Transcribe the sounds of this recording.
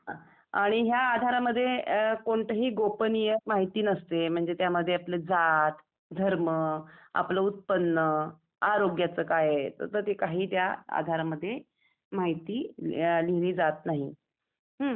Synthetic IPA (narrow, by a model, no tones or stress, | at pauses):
a | aɽ̃iɦjaːd̪ʱaɾaməd̪ʱːjekoɳʈ̪əɦiːɡopənijəmaɦit̪iːnəst̪em̤əɳd͡zet̪jaməd̪ʱːjeapled͡zat̪ | d̪ʱəɾməa̰pləut̪̚pənːə | aɾoɡjat͡səːkajet̪ə̰t̪əɾt̪ekaɦiːt̪jaa̰d̪ʱaɾaməd̪ʱːje | maɦit̪iːliɽ̃iːd͡zat̪naɦi | ɦə